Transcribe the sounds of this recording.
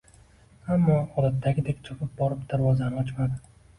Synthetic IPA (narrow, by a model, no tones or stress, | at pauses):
amːɒɒd̪at̪ʰːaɡʲɪd̪ekʲt͡ʃʰɒpʰɪp̚bɒɾɪpd̪aɾvɒzanɨɒt͡ʃmad̪ɪ